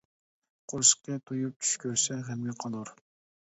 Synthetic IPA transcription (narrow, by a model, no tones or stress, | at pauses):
qʰoɾʃə̥q̚t̪ʰɛt̪ʰujup̚t͡ʃ̪ʰy̥ʃkʲʰøɾsɛɦɛmɡʲɛqʰɑlˠuɾ